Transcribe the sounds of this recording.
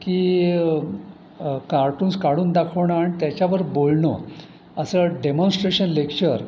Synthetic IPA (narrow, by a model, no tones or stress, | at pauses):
kiː | kaɾʈũːnskaɽuːnd̪akʰəʋɳaːɽ̃it̪jat͡ɕaʋəɾbolɳɔ̰ | əsəɖemõnsʈɾeɕənlekt͡ɕəɾ